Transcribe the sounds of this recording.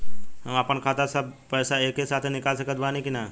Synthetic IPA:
ɦɐmapənkʰaːt̪asɐbpɛːsaeːkːesaːt̪ʰnɪkaːlsəkət̪̚baːnĩkina

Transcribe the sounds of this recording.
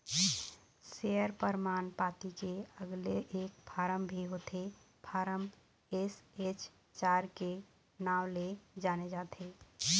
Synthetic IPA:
seəɾpəɾmaːnpat̪ikeəɡleʔeːk̚pʰaːɾəmbʱiɦot̪ʰe | pʰaːɾəm | eset͡ʃ | t͡ʃaːɾke | naːwled͡ʒaːned͡ʒaːt̪ʰe

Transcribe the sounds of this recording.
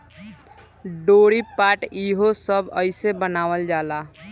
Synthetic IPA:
ɖoːɽipaːʈiːɦosəbəɪsebənaːʋəld͡ʒaːlaː

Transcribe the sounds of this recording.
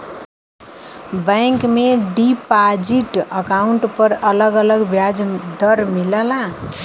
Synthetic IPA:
bajŋkmeɖipad͡ziʈʌkawuɳʈpʌɾʌlʌɡʌlʌɡbjad͡zd̪ʌɾmilala

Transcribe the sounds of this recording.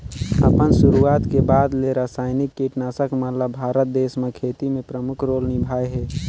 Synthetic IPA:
ə̰pənsuɾuat̪kebad̪leɾasaːɪnikːiʈnasəkmələbʱaɾət̪̚d̪esmekʰet̪imẽpɾəmʊkʰɾoːlnibʱajɦɛ

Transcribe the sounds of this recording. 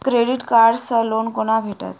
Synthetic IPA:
kɾeɽiʈkaɾɖsəlonkoɽ̃abʱeʈa̰t̪

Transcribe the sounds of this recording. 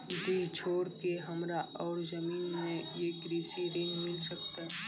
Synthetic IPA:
d̪it͡ʃʰoːɽkeɦɐmɾaʔɔːɾzəmiːnmẽjeːkɾiːsiɾɪ̃ŋɡmɪlsəkt̪aɦɛ

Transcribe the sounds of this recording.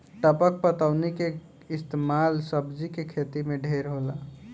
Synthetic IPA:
ʈəpək̚pət̪əʊnike | ɪst̪emalsəbd͡ʒikekʰet̪imeɖʱeɾɦola

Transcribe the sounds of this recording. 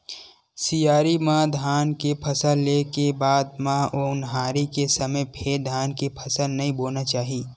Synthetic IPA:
sijaːɾimãd̪ʱaːnkepʰəsəlːekebaːd̪mãoʊnɦaːɾikesəməpʰed̪ʱaːnkepʰəsəlnɐɦĩboːnat͡ʃaːɦiː

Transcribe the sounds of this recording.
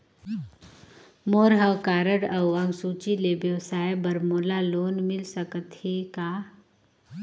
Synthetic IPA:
moɾɦəwkaːɾəɽəwɐ̃ŋɡsuːt͡ʃilebjəwsaːjbəɾmoːlaloːnmɪlsəkət̪hekaː

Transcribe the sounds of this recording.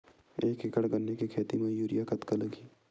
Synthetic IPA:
eːkekəɽɡɐnːekekʰeːt̪imẽjuːɾijakɐt̪kɐlɐɡiː

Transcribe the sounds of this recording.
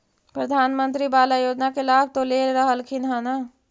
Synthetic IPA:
pɾəd̪ʱaːnmə̃nt̪ɾibaːlajoːd͡ʒnakelaːb̚t̪oleɾəɦəlkʰinɦana

